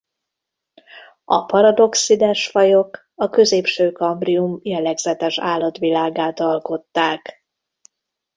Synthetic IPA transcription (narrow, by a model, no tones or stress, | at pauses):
ɒ̰pɒɾɒd̪o̞ksid̪ɛʃfɒjo̞k | ɒkø̞zeːpʃøːkɒmbriumjɛlɛɡzɛt̪ɛʃaːlːɒt̪ʋilaːɡaːt̪ɒlko̞t̪ːaːk